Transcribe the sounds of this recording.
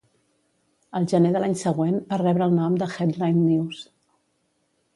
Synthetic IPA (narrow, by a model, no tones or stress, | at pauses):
əlˠʒəneðəlaɲsəɣwenbarɛβɾəːlˠnɔmd̪əxɛd̪lajnːiws